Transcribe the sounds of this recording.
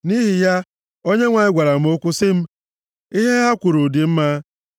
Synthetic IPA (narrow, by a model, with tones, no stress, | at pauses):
ni˦ɦi˨ja˦ | o˦ɲe˦ŋʷa˨ɲɪ˦ɡʷa˨ɾa˨m̩˦o˦kʷʊ˦sɪ˦m̩˦ | i˦ɦe˦ɦa˦kʷʊ˨ɾo˨di˨m̩˦ma˦